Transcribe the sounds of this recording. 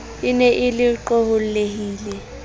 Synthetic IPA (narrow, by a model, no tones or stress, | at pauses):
inɛʔɪliǃohullehiːlɛ